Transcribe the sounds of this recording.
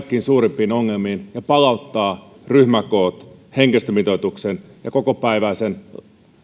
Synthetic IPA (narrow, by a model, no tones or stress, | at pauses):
kːiːnsuːɾimpiːnoŋːelmiːnjɑpɑlɑut̪ːɑː | ryhmæko̞ːt̪heŋkest̪ømit̪ot̪uksenjɑko̞kopæiʋæisen